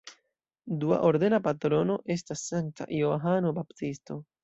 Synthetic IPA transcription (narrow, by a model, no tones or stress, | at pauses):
d̪ua̰ʔoɾd̪e̞napat̪ɾo̞no̞ʔe̞stasːanta̰ʔjoɦano̞baptisto̞